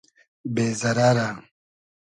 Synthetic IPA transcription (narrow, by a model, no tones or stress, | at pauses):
beːzɐɾaːɾa